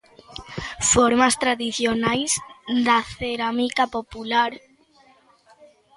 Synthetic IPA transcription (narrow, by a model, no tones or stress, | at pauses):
foɾmast̪ɾaðiθjonajzd̪aθeɾamikapopulaɾ